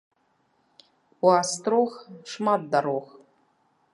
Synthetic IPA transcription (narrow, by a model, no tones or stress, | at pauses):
wast̪roxʂmad̪ːaɾox